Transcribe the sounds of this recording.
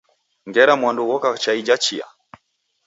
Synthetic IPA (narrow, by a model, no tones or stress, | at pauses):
ŋɡɛɾamwanduɣɔkat͡ʃaid͡ʒat͡ʃia̰